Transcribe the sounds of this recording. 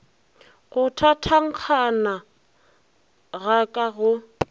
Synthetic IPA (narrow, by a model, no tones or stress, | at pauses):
ɣʊtʰatʰaŋ̩q͡χʰana | ɣakʼaɣʊ